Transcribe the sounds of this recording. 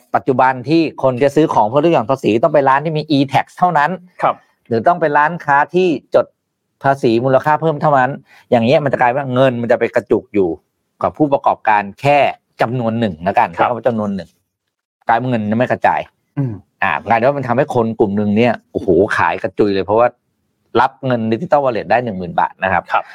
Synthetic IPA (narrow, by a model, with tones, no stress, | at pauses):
pa˨˩t̪̚t͡ɕu˨˩ba˧nt̪ʰiː˥˩kʰo˧n˥t͡ɕa˨˩sɯː˦˥kʰɔː˩˦ŋpʰɯ˥˩˨lu˥˩jɔː˨˩ŋpʰaː˧siː˩˦t̪̬ɔ˥˩pa˧jɾaː˦˥nt̪i˥˩miː˧ʔiː˧t̪ʰɛ˨˩k̚st̪ʰa˥˩wna˦˥nʰ˧ | lɯː˨˩˦t̪ɔ˥˩ŋpa˧jɾaː˦˥nkʰaː˦˥t̪ʰiː˥˩t͡ɕo˨˩t̪̚ | pʰaː˧siː˩˦muː˧la˧kʰaː˥˩pʰɤː˥˩mt̪ʰa˥˩wna˦˥n | jaː˨˩ŋi˦˥ɐm˧nt͡ɕa˨˩klaː˧jwaː˥˩ŋɤ˧nma˧nt͡ɕa˨˩pa˧jka˧t͡ɕu˨˩k̚juː˨˩ | ka˨˩pʰːuː˥˩p̬ɾa˧kɔ̰ː˨˩p̚kaː˧nkʰɛː˥˩ | t͡ɕa˧mnu˧ənːɯ˨˩ŋla˦˥˩ka˧na˥˧˩kːt͡ɕa˧mnu˧ənːɯ˨˩ŋ | kaː˧jmaː˧˥˩ŋɤ˧nɲa˧˩ma˥˩kʰt͡ɕa̰ː˧j | ʔa̰ː˨˩kaː˧i˧˩wa˥˩ma˧t̪ʰmha˥˩jkʰo˧nklu˨˩mnɯ˧ŋni˦˥˩ɐʔoː˧˩hoː˨˩kʰa̰ː˩˦jka˧t͡ɕu˨˧˩jlɤː˧jpʰɔ˦˥waː˥˩ | la˦˥p̚ŋɤ˧nːi˦˥i˨˩t̪ɔ˥˩˨waː˧li˧˩t̪̚daː˥˩jnɯ˨˩ŋmɯː˨˩nba̰ː˨˩t̪̚na˦˥kʰa˦˥p̚